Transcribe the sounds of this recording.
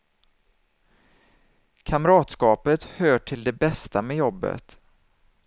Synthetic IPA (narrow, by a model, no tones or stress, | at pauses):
kʰamɾɑːt̪skɑːpət̪høːʈʰɪld̪ɛbɛst̪amɛjɔbːə̰t̪